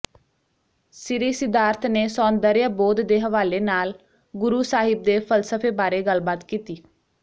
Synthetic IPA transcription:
sɪɾiːsɪd̪aːɾt̪ʰneːsɔːnd̪əɾjaboːd̪d̪eːɦəʋaːleːnaːl | ɡʊɾuːsaːɦɪb̚d̪eːpʰəlsəfʰeːbaːɾeːɡəlbaːt̪kiːt̪iː

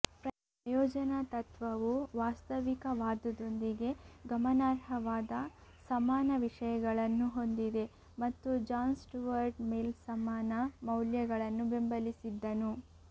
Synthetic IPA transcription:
pɾɐ | ɐjɔːd͡ʒɐnɐt̪ɐt̪ʋɐʋuʋaːst̪ɐʋikɐʋaːd̪ɐd̪o̞nd̪iɡe̞ɡɐmɐnaːɾɦɐʋaːd̪ɐsɐmaːnɐʋiʂɐjɐɡɐɭɐnːuɦo̞nd̪id̪e̞ | mɐt̪ːud͡ʒaːnsʈuʋɐɾɖmeːlsɐmaːnɐmɐwljɐɡɐɭɐnːube̞mbɐlisid̪ːɐnu

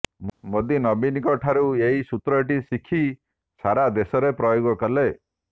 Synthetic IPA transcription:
mod̪inɔbinikɔʈʰaɾueɦisut̪ɾɔʈ̬isikʰi | saɾad̪esɔɾepɾɔjoɡɔkɔle

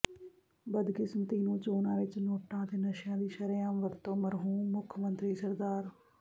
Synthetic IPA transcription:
bəd̪kɪsmət̪iːnũːt͡ʃoːnãːʋɪt͡ʃnoːʈãːt̪eːnəʃjãːd̪iːʃəɾjãːmʋəɾt̪õːməɾɦũːmːʊkʰmənt̪ɾiːsəɾd̪aːɾ

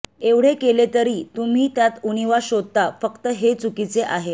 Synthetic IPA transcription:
eʋɽ̤ekelet̪əɾiːt̪um̤iːt̪jat̪uniʋaɕod̪̚t̪afəkt̪əɦet͡sukit͡seʔaɦe

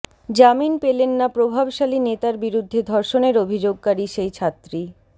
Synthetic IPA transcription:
d͡ʑaminpelenːapɾobʱabʃalinet̪aɾbiɾud̪ʱːed̪ʱɔɾʃoneɾobʱid͡ʑoɡ̚kaɾiʃejt͡ɕʰat̪ːɾi

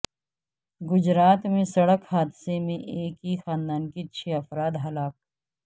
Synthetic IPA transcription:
ɡʊd͡ʒɾaːt̪mẽsɐɽəkɦaːd̪semẽʔeːkɦixaːnd̪aːnkit͡ʃːʰeːɐfɾaːd̪ɦɐlaːk̚

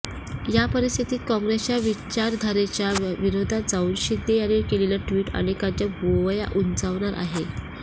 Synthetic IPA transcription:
japəɾist̪ʰit̪iːt̪̚kɔ̃ŋɡɾest͡ɕjaʋit͡ɕaɾd̪ʱaɾet͡ɕjaʋiɾod̪ʱad͡zauːnɕid̪ʱejanekelelaʈʋiːʈa̰ɽ̃ekat͡ɕjaboʋja̰ʔunt͡saʋɳ̃aɾʔa̰ɦe

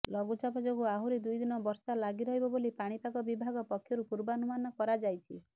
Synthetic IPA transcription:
lɔɡut͡ʃapɔd͡ʒoɡuaɦuɾid̪ujd̪inɔbɔɾsalaɡiɾɔɦibɔbolipaɽ̃ipakɔbibʱaɡɔpɔkʰːjɔɾupuɾbanumanɔkɔɾad͡ʒajt͡ʃʰi

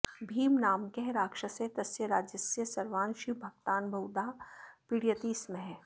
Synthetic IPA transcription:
bʱiːmnaːmkeɦɾaːkʃɐset̪ɐsjəɾaːd͡ʒjɐsjəsɐɾʋaːnʃibʱɐɡt̪aːnbʱɐwd̪apiɽijət̪iːsmeɦ

